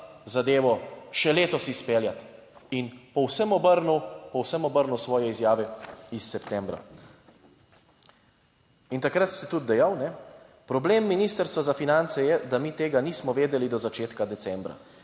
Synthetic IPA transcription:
zad̪eːʋɔʃɛleːt̪ɔsispeːljat̪ | inpɔwsəmɔbəɾnuwpɔwsəmɔbəɾnuwsʋɔːjɛizjaːʋɛisːɛpt̪ɛ̃mbɾa̰ | int̪akɾat̪sɛt̪ud̪̚d̪ɛjawnɛ | pɾɔbleːmːiniːst̪əɾst̪ʋazafinant̪sɛjɛd̪amiːt̪eːɡaniːsmɔʋeːd̪ɛlid̪ɔzat͡ʃeːt̪kad̪ɛt̪sɛmbɾa̰

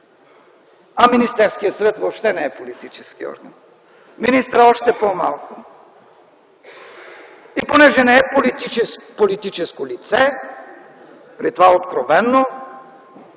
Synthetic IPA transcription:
aminist̪ɛɾskijəsvɛt̪vopʃt̪ɛnɛɛpolit̪it͡ʃɛskiɔ̰ɾɡa̰n | minist̪ɾəɔʃt̪ɛpomalˠkʊ | iponɛʒɛnɛɛpolit̪iɛpolit̪it͡ʃɛskolit̪sɛ | pɾit̪ovaot̪kɾovɛnːo

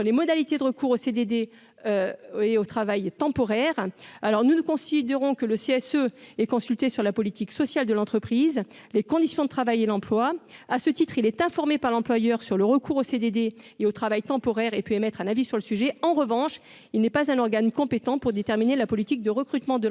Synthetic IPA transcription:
lemɔd̪alit̪ed̪əʁəkuːʁosed̪ed̪e | eot̪χavajt̪ɑ̃pɔʁɛʁalɔʁnunukɔ̃sid̪eʁɔ̃kələseɛsøɛkɔ̃sylt̪esyʁlapɔlit̪iksɔsjald̪əlɑ̃t̪χəpχiz | lekɔ̃d̪isjɔ̃d̪ət̪χavajelɑ̃plwaasət̪it̪χilɛt̪ɛ̃fɔʁmepaʁlɑ̃plwajœʁsyʁləʁəkʰuʁosed̪ed̪e | eot̪χavajt̪ɑ̃pɔʁɛʁepøemɛt̪χɛ̃navisyʁləsyʒɛɑ̃ʁəvɑ̃ʃ | ilnɛpazɛ̃nɔʁɡankɔ̃pet̪ɑ̃puʁd̪et̪ɛʁminelapɔlit̪ik̚d̪əʁəkχyt̪mɑ̃d̪ə

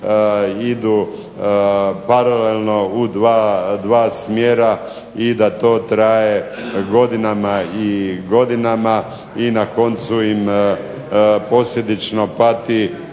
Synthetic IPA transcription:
id̪u | paɾalelˠno̞ud̪ʋaːd̪ʋaːsmjeɾa | id̪at̪o̞ːt̪ɾaje̞ | ɡo̞d̪inamaiɡo̞d̪inama | inako̞nt̪suim | po̞slje̞d̪it͡ʃno̞pat̪i

